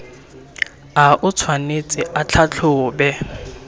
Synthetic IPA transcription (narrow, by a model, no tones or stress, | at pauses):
aʔʊt͡sʰwanet͡sʼɪʔat͡ɬʰat͡ɬʰʊːbɛ